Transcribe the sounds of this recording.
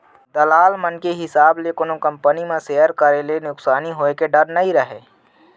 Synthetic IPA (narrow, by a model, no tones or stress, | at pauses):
d̪ɐlaːlmənkeɦɪsaːblekʊnõkɐ̃mpənimẽsejəɾkəɾelenʊksaːniɦoːekeɖɐɾnɐɦĩɾɐɦeː